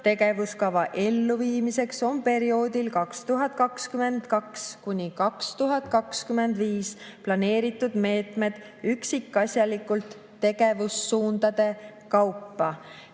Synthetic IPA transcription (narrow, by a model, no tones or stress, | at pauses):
t̪e̞ɡ̥e̞vuskɑvɑʔe̞lːuviːmise̞kso̞mpe̞ɾio̞ːd̪ilkɑkst̪uɦɑt̪̚kɑkskyme̞nd̪̥kɑkskunʲikɑkst̪uɦɑt̪̚ˑkɑkskyme̞nd̪viːsplɑne̞ːɾit̪ːˑud̪̥me̞ːt̪ˑme̞d̪̥ | yksikːˑɑsʲjɑlikːult̪ː | e̞ɡ̥e̞vusːuːnd̪̥ɑd̪̥e̞ | kɑwpːɑ